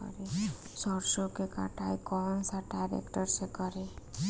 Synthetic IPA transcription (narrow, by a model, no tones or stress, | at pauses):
ɔ̰ɾesɔɾsokeka̰ʈajkɔnsaɖajɾḛkʈɔɾsekɔɾe